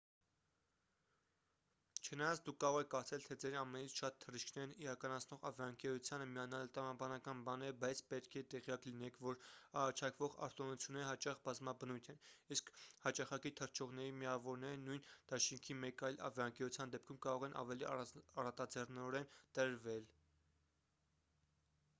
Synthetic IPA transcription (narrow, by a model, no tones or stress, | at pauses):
t͡ʃʰənɑjɑnt͡sʰd̪ukʰːɑɾɔʁɛkʰɑɾt͡sʰɛlt̪ʰɛd͡zɛɾɑmɛnit͡sʰʃɑt̪t̪ʰːəriʃkʰnɛɾniɾɑkɑnɑt͡sʰnɔʁɑ̰vjɑəŋkɛɾut͡sʰjɑnəmiɑnɑlt̪ɾɑmɑbɑnɑkɑnbɑnɛbɑjt͡sʰpɛt̪kʰɛt̪ɛʁjɑklinɛkʰvɔɾɑɾɑt͡ʃʰɑkʰvɔʁɑ̰ɾt̪ɔnut͡sʰjunːɛɾəɦɑt͡ʃɑχbɑzmɑbənujt̪ʰɛniskʰhɑt͡ʃɑχɑkit̪ʰəɾt͡ʃʰɔʁnɛɾimiɑvɔɾnɛɾənujnd̪̥ɑʃiŋkʰimɛkɑjlɑ̰vjɑəŋkɛɾut͡sʰjɑnd̪ɛp̚kʰumkɑɾɔʁɛnʔɑ̰vɛliɑ̰ɑrɑt̪ɑd͡zɛrnɔɾɛnt̪əɾvɛl